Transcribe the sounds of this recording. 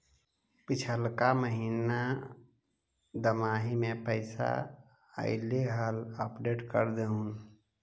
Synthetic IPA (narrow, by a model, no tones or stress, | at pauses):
pit͡ʃʰəlkaməɦiːna | d̪əmaːɦimẽpəɪsa̰ | ə̰ɪleɦələpɖeːʈkə̰ɾd̪eɦũn